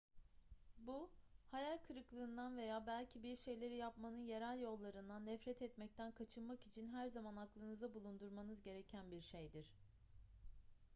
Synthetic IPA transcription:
buhajalʲkʰɯɾɯklˠɯːnd̪anve̞jaːbælʲcʰibiɾʃe̞jlʲe̞ɾijapmanɯnje̞ɾælʲjo̞lˠːaɾɯnd̪anːɛfɾɛt̪ʰɛt̪mɛc̚t̪ʰænkʰat͡ʃʰɯnmakit͡ʃʰinɦæɾzamanaklˠɯnɯzd̪abulˠund̪uɾmanɯzɟe̞ɾe̞cʰænbiɾʃe̞jd̪iɾ̝̥

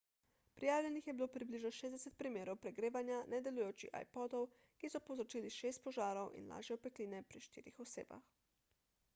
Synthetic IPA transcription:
pɾijaːwlʲɛnixjɛbiloːwpɾibliʒnɔʃeːzd̪ɛsɛt̪̚pɾimeːɾowpɾɛɡɾeːʋanjanʔɛd̪ɛlujoːt͡ʃḭxa̰jpɔːd̪ɔw | kisɔpowzɾɔt͡ʃiːliʃeːst̪̚pɔʒaːɾowʔḭnla̰ːʒjɛɔpɛkliːnɛpɾiʃt̪ḭːɾixɔsḛːba̰x

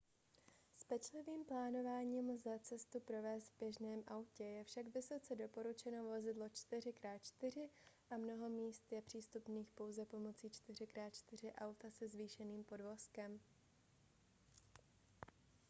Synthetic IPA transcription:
spɛt͡ʃlɪviːmplaːno̞vaːɲiːmzat͡sɛst̪upɾo̞vɛːst̪vbjɛʒnɛːmʔawcɛjɛfʃaɡvɪso̞t͡sɛdo̞po̞ɾut͡ʃɛno̞vo̞zɪdlo̞t͡ʃt̪ɪrɪkɾaːt̪̚t͡ʃt̪ɪr̝ɪʔamno̞ɦo̞miːst̪jɛpr̥iːst̪upniːxpo̞wzɛpo̞mo̞t͡siːt͡ʃt̪ɪr̝ɪkɾaːt̪t͡ʃt̪ɪr̝ɪʔawt̪asɛzviːʃɛniːmpo̞dvo̞skɛm

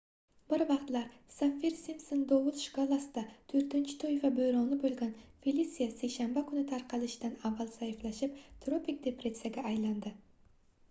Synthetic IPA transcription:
bɪɾvɑqt̪laɾsafːiɾsimsond̪owʊlˠʃɪ̥kʰɒlˠasɪd̪at̪ʰɵɾt̪ɪnt͡ʃʰɪ̥t̪ʰɵjvabɵjɾɒnɪbɵlˠɡʲanfelisijasejʃanbakʰʊnɪt̪ʰaɾqʰɑlɪʃɪd̪anavːalˠsajɪflaʃɪp̚t̪ʰɾopʰik̚d̪e̞pɾe̞sijaɡʲaːjland̪ɪ

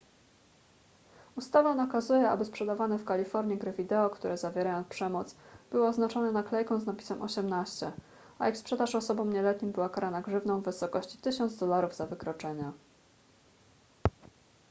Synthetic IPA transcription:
ust̪avanakazujɛa̰bɘspʂɛd̪avanɛfkalʲifɔɾɲiɡɾɘvʲid̪ɛɔkt̪uɾʔɛzavʲjɛɾajɔ̃ñpʂɛmɔt̪sb̥ɘwɔːznat͡ʂɔnɛnaklɛjkɔ̃w̃znapʲi̥sɛmʔɔ̰ɕɛmnaɕt͡ɕɛ̰ | a̰ɛkspʂɛd̪aʂɔsɔbɔ̃mɲɛlɛt̪ɲimbɘwakaɾanaɡʐɘvnɔ̃w̃vɘsɔkɔɕt͡ɕi̥t̪ɘɕɔnd̪zd̪ɔlaɾuvzavɘkɾɔt͡ʂɛɲa

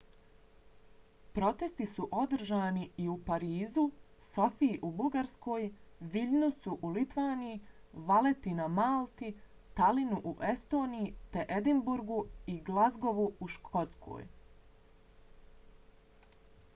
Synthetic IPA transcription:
pɾo̞t̪e̞st̪isuʔo̞d̪r̩ʒaːniiupaɾiːzuso̞fiiʔubuɡaɾsko̞ːjʋiʎnusuʔulit̪ʋaːnijiʋale̞t̪inamalˠt̪i | t̪alinuʔuʔe̞st̪o̞ːnijit̪e̞ʔed̪imbuɾɡuiɡlˠazɡo̞ʋuuʃkʰo̞t̪skʰo̞̰ːj

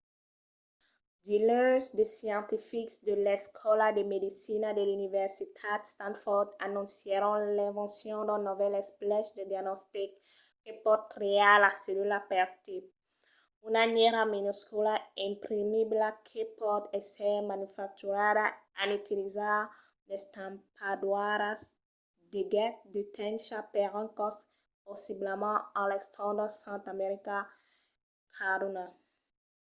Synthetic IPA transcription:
d̪ilø̃ʒd̪esjɑ̃t̪ifiksd̪əlɛskʰɔlad̪emed̪isinad̪elynivɛʁsit̪ʰad̪st̪ãnfɔʁd̪anɔ̃seɾɔ̃lɛ̃vɑ̃sjɔ̃d̪ɔ̃nɔvɛlɛsplɛʃd̪ed̪janɔst̪ikː | epɔt̪̚kɾealasedulapɛʁt̪i | unaɲɛʁaminoskɔlaɛ̃mpɾimiblakʰepɔd̪esɛɾmãnufak̚t̪uɾad̪aanyt̪iliza | lest̪ãmpad̪waɾas | d̪eɡɛtd̪et̪ɛ̃nʃapɛʁãkɔs | posiblemɑ̃ãlɛst̪ʰãd̪ɔsãnt̪ameɾika | kʰaɾuna

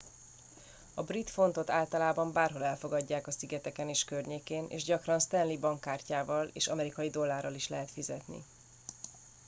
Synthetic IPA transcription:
ɒbrit̪fo̞nt̪o̞t̪aːlt̪ɒlaːbɒmbaːrɦo̞lɛlfo̞ɡɒɟːaːkɒsiɡɛt̪ɛkɛneːʃkørɲeːkeːnʔḛːʒɟɒkrɒnst̪ɛnlibɒŋkːaːrcaːvɒlḛːʃɒmɛɾikɒjid̪o̞lːaːrːɒliʃlɛɦɛt̪fizɛt̪nḭ

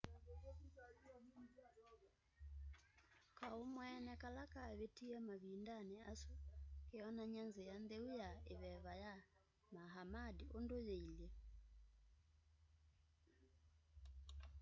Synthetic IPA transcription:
kaomwɛnɛkalakaβetiamaβindaneasukeɔnaɲanzejand̪ɛujaeβɛβaja | maɦamadiʔondojeiljɛ

